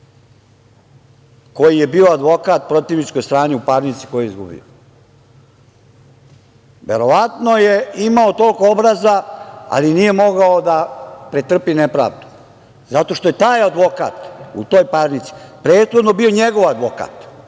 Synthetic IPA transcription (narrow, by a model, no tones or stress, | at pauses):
ko̞jije̞biːo̞ad̪ʋo̞kat̪̚pɾo̞t̪iʋnit͡ʃ̪ko̞jst̪ɾaːniupaːɾnit̪si̥ko̞jeizɡṵbḭo̰ | ʋe̞ɾo̞ʋat̪no̞je̞imaot̪o̞lko̞obɾazaa̰linije̞mo̞ɡaod̪apɾet̪r̩pinepɾa̰ːʋd̪u̥ | zat̪o̞ʃt̪o̞jet̪aːjad̪ʋo̞ka̰ːt̪ṵt̪o̞ːjpaːɾnit̪si̥pɾe̞ːd̪xo̞d̪nobioɲeɡo̞ʋad̪ʋo̞ka̰ːt̪